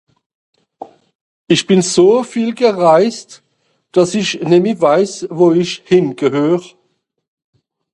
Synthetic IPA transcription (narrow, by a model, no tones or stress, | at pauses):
ɪʃb̥ɪnzoːfiːlɡəʁaɪst | d̥ɑsɪçnɛmivaɪsvoːɪʃhɪnɡ̥əhøːʁ